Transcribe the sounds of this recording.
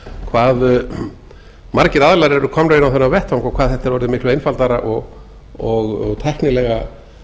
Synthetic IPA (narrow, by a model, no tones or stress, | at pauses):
kʰvaːðʏ | maɾcɪɾaðlaɾɛɾʏkʰɔmnʏɪnawθɛnːavɛht̪awŋkɔkʰvaːðθɛht̪ɛɾvɔɾðɪmɪhklʏejnfalt̪aɾaʔɔɣ | ɔɣɔɣt̪ʰɛhknɪlɛɣa